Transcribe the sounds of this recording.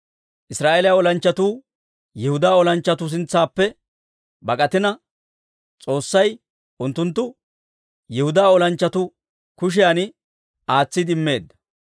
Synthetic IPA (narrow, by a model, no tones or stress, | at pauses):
ʔɪsɾaːʔeːlɪjaɔlɐnt͡ʃːɐt̪uː | jɛhʊd̪aːɔlɐnt͡ʃːɐt̪ʊs̬ɪnt͡sːaːpːɛ | bɐkʼɐt̪ɪnɐ | t͡sʼo̞ːsːɐj | ʔʊnt̪ːʊnt̪ːʊ | jɛhʊd̪aːɔlɐnt͡ʃːɐt̪ʊ | kʊʃ̬ɪjaːnɪ | ʔaːt͡sːɪd̪ɪmːe̞ːd̪ːɐ̥